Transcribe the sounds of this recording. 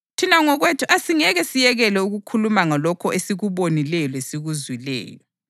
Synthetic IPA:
tʰinaŋɔɣwetʰuʔasiŋɛɣɛsijɛɣɛlɛuɣukʰulumaŋalɔkʰɔesiɣuβonilɛjɔlesiɣuzwilɛ̰ːjɔ

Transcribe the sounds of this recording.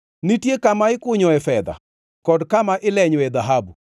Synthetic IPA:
nitjekamaɪkʊɲɔɛfɛd̪a̰ | kɔdkamaʔɪlɛɲɔɛd̪aɦabu

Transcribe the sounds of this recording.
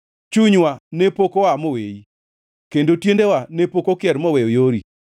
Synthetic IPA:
t͡ʃuɲwanepokɔwamowei | kendotjendewanepokokɪɛɾmɔwɛojoɾi

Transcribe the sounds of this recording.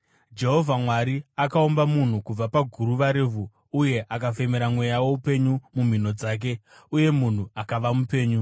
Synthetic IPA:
d͡ʒe̞ɦo̞vʱamwaɾiakaombamun̤ukub͡vapaɡʱuɾuʋaɾeːvʱu | uje̞ʔakafemeɾamwe̞jawo̞upe̞ɲumum̤ino̞d͡zaːk̬e̞ | uje̞mun̤uakaʋamupe̞ːɲu

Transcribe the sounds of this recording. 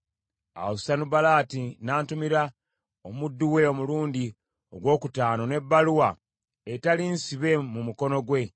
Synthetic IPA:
a̰wosanubalaːtinaːntumiɾa | omudːuwe̞o̞muluːndi | o̞̰ɡwo̞ːkutaːno̞ne̞bːaluwa | etalinsiβe̞mumuko̞no̞ɡwe̞

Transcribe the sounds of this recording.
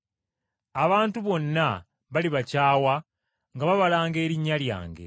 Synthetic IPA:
aβaːntuβo̞nːa | βaliβacaːwa | ŋɡaβaβalaːŋɡe̞ːɾiɲːalja̰ːŋɡḛ

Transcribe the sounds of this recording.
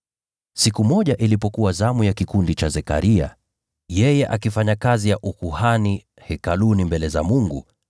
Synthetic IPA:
sikumɔʄaʔilipɔkuwazamujakikundit͡ʃazɛka̰ɾia̰ | jɛjɛʔakifaɲakazijaʔukuhani | hɛkalunimbɛlɛza̰muŋɡu

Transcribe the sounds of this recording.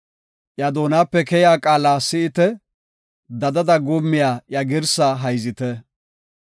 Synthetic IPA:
ʔjɐd̪oːnaːpːɛkɛjaːkʼaːlaːsɪʔɪt̪ɛ | d̪ɐd̪ɐd̪ɐɡʊmːɪjaːjɐɡɪɾsaɦɐjzɪt̪ɛ

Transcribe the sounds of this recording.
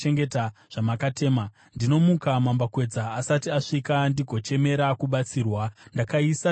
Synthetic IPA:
eŋɡetaʐ̥amakate̞ːma | ndino̞mukamambakwe̞d͡zaːsatiaʂikandiɡʱo̞t͡ʃe̞me̞ɾakuɓat͡siːrwandakaisa

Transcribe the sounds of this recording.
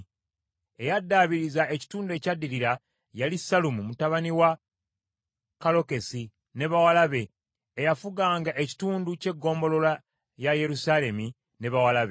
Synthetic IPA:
e̞jadːaːβiɾizae̞ci̥tuːndue̞cadːiɾiɾa | jalisalumumutaβaniwa | kalo̞ke̞si | ne̞βawalaβe̞ː | jafuɡaːŋɡaʔe̞ci̥tuːnduce̞ɡːo̞ːmbo̞lo̞la | jaje̞ɾusale̞mi | ne̞βawalaβe

